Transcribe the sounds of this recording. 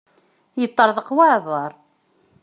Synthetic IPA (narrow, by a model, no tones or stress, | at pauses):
jət̪ˤːəɾˤðˤəqwaʕvəɾˤ